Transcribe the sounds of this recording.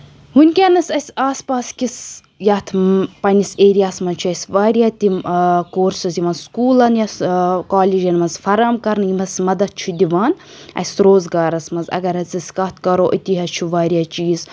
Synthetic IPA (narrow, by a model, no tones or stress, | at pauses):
ɦunʲkʲaːnɐsɐsʲaːspaːskʲis | jat̪ʰpɐniseːɾijaːsmɐnt͡ʃʰuɐsʲʋaːɾʲjaːt̪ikoːɾsɐzʲiʋɐːnskuːlɐnjɐskaːlʲiːd͡ʒɐnmɐnzfɐɾaːmkɐɾnjimɐsmɐd̪ɐt̪̚t͡ʃʰud̪iʋaːn | ɐ̰sɾoːzɡaːɾɐsmɐnzɐ̰ɡɐɾɐt͡sisʲkɐt̪ʰkɐɾoːʔɐt̪iɦɐt͡ʃʰuʋaːɾʲjaːt͡ʃiːz